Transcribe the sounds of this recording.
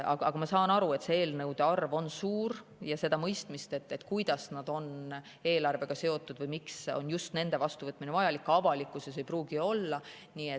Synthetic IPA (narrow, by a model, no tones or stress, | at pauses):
ɑ̰ɡɑ̰ɡ̥ɑmɑsɑːnɑɾue̞t̪se̞e̞ːlnɤwd̪̥e̞ɑrvo̞nsuːɾ | jɑse̞d̪̥ɑmɤjst̪mist̪e̞t̪ːe̞t̪kujd̪̥ɑsnɑd̪̥o̞n | e̞ːlɑrve̞ɡ̥ɑse̞o̞t̪ːˑud̪̥vɤjmikso̞̰njust̪ne̞nd̪̥e̞vɑst̪uvɤt̪ːˑminevɑjɑlikːɑvɑlikːˑuses̬ejpruːɡ̥io̞lːɑ | niːe